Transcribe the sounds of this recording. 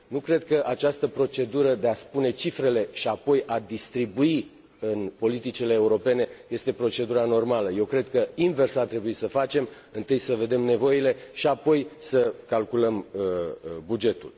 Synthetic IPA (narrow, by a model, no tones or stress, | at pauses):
nukɾe̞d̪̚kəʔat͡ʃast̪əpɾo̞t͡ʃe̞d̪uɾəd̪e̞aspune̞t͡ʃifɾe̞le̞ʃiapo̞jʔad̪ist̪ɾibui | ɨnpo̞lit̪it͡ʃileːuɾo̞pe̞ne̞je̞st̪e̞pɾo̞t͡ʃe̞d̪uɾano̞rmaləje̞wkɾe̞d̪kəinve̞rsart̪ɾe̞buisəfat͡ʃe̞m | ɨnt̪ɨjsəve̞d̪e̞mne̞vo̞ile̞ʃiapo̞jsəkalkuləm | bud͡ʒe̞t̪ṵl